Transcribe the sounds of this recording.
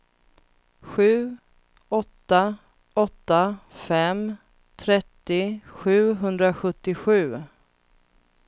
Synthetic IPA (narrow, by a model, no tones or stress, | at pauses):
ɧʉ̟ː | ɔt̪ːa | ɔt̪ːafɛm | t̪ʰɾɛt̪ːɪɧʉ̟ːɦɵnd̪ɾaɧɵt̪ːɪɧʉ̟ː